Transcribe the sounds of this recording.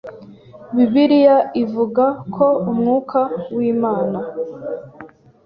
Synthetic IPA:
βiβiɾijaivuɡakʰo̞umŋuːkʰawiːmaːna

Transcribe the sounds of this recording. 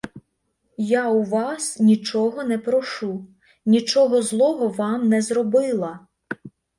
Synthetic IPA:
jauʋɑsnʲit͡ʃɔɦɔnɛpɾɔʃu | nʲit͡ʃɔɦɔzlˠɔɦɔʋɑmnɛzɾɔbɪlˠɐ

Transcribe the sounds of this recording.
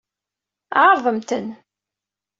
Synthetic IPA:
ʕɑɾˤðˤəmt̪ən

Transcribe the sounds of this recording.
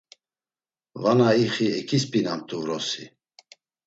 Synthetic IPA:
vanaiχiɛkʰʼispʼinamt̪ʰʼuɾɔsi

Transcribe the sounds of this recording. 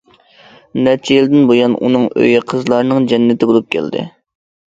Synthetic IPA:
nɛɾt͡ʃʰɛjild̪ɪnbojɑnṵnɨŋø̰jqʰəzlˠɑɾnɨŋd͡ʒɛnːɪt̪ʰɪbolˠup̚kʲʰæ̰ld̪ɪ̰

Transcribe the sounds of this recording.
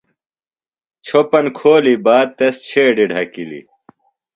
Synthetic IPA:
t͡ɕʰopɐnkʰoːlibaːd̪̚t̪ɐst͡ɕʰeːɖiɖʱɐkilḭ

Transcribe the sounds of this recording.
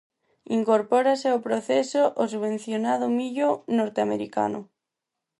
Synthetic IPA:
iŋkoɾpoɾaseopɾoθesoʔos̬uβẽn̟θjonað̞omiʎonoɾt̪eamḛɾika̰nʊ̰

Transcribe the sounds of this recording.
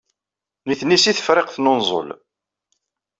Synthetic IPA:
niθnːisiθə̥fɾɪqθnonzˤə̰l

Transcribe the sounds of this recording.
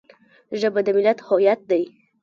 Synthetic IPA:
ʒəbad̪əmɪlat̪hɔjat̪̚d̪aj

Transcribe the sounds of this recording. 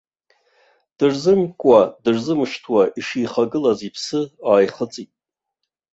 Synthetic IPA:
d̥ɨrzɨmkʷʼadɨrzɨmʃtʰwaʔiʂiːχaɡɨlazipʰsɨaːjχət͡sʼitʼ

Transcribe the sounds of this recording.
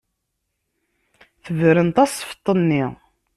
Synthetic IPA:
θəvɾənt̪ˤɑsˤfə̥t̪ˤːənːi

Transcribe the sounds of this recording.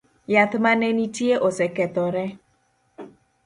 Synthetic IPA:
jat̪manɛnitieʔosɛkɛt̪ɔɾɛ

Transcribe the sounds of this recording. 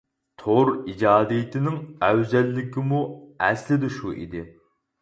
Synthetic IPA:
t̪ʰoɾid͡ʒɑːd̪ijit̪ʰɪnɪŋɛwzɛlːɪkʲʰimuɛslɪd̪ɪʃuʔḭd̪ɪ

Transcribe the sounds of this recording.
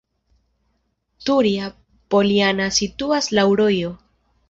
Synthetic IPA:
tuɾia | po̞lianasituaslawɾo̞jo̞

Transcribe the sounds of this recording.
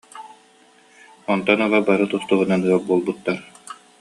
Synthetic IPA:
ɔnt̪ɔnaʁabaɾɯt̪ust̪uɦunanɯabuɔlˠbut̪ːaɾ

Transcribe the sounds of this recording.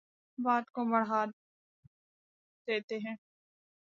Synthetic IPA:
baːt̪komɐɽɦaː | d̪̥eːt̪eɦɛ̃ː

